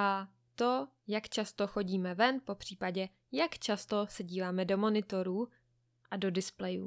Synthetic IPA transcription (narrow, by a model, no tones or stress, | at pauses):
ʔa | t̪o̞ | jakt͡ʃast̪o̞xo̞ɟiːmɛvɛnpo̞pr̝̥iːpaɟɛ | jakt͡ʃast̪o̞sɛɟiːvaːmɛdo̞mo̞nɪt̪o̞ɾuː | ʔado̞dɪsplɛjṵː